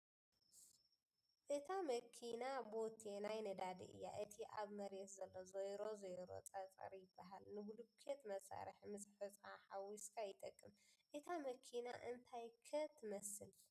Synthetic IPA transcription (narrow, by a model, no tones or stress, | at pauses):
ʔɨt̪ʰamɐkʰinabo̞t̪ʰenajnɐd̪ad̪ḭʔɨ̰jːa̰ʔɨt̪ʰiʔaβmɐɾet̪zɐlːo̞zojɾo̞zojɾo̞̰t͡sʼɐt͡sʼɐ̰ɾjɪbːaɦalnɨhulukʰet̪mɐsʼa̰ɾɨħmɨzħɨt͡sʼaħawiskʰajɪt̪ʼɐkʼːɨmʔɨt̪ʰamɐkʰina̰ʔɨnt̪ʰajkʰɐt̪ʰːɨmɐsɨl